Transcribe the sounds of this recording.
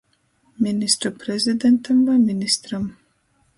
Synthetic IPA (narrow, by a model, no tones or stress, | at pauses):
mʲinist̪ɾɔpɾɛzʲɪd̪ɛnt̪ɐmvaminist̪ɾɐm